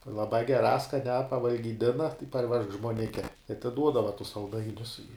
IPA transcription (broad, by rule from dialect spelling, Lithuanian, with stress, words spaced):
lˠɐˈbɑː ɡʲɛˈrɑː skɐˈnʲæː pɐʋɐlʲɡʲiːˈdʲɪnɐ tɐɪ pɐrʲˈʋʲɛʃk ʒmuɔˈnʲɪkʲɛ ɪ ɐtʲɪˈduɔdɐʋɐ tʊs sɐlˠˈdɐɪnʲʊs ɪ